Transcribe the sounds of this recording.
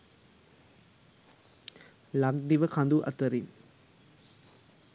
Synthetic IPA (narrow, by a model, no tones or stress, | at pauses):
lak̚d̪iʋəkʰand̪uʔa̰t̪əɾin